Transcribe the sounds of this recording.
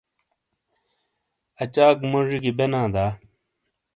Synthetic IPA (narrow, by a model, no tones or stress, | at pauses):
ɐt͡ɕaːkmoʐiɡibenãːd̪aː